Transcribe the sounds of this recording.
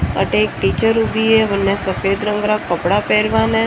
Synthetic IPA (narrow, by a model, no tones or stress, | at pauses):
ə̰ʈek̚ʈit͡ʃəɾubʱieʋənːesəfeːd̪ɾə̃ŋɡɾakəpɽapɛɾʋane